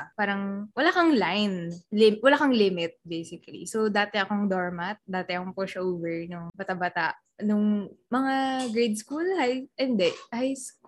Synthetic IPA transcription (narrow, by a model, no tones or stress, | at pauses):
paːɾɐŋwɐlaːkɐŋlajnlɪmwɐlaːkɐŋlɪmɪt̪̚bejsɪkɐlḭsowd̪aːt̪ɛɐkoŋd̪oɹmat̪̚d̪aːt̪ɛɐkopoʃaʔovɛɹnʊŋbat̪abat̪aʔ | nʊŋmɐŋaɡɹejd̪̚skulhajɛnd̪ɛʔhajsk